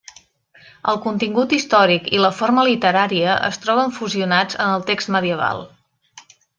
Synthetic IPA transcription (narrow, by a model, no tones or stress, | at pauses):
əlˠkunt̪iŋɡut̪ist̪ɔɾikiləfoɾməlit̪əɾaɾiəʔə̰st̪ɾɔβ̞əɱfuziunad͡zənəlˠt̪ekst̪məðiəβ̞a̰lˠ